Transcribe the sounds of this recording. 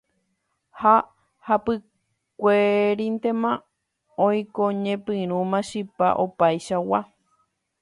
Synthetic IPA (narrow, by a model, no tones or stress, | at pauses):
ha | hapɨ | kʷeɾĩnt̪e̞mã | õj̃koɲẽpɨ̃ɾ̃ũmãʃɨpa̰ʔopajʃawa